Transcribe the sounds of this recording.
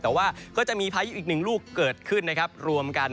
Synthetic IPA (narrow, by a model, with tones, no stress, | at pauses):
t̪ɛː˨˩waː˥˩kʰɔː˥˩t͡ɕa˨˩miː˧pʰaː˧˦ju˦˥ʔiː˨˩nɯ˨˩ŋluː˥˩kːɤː˨˩t̪̚kʰɯ˥˩nːa˦˥kʰa˦˥p̚ɾu˧əmka˧n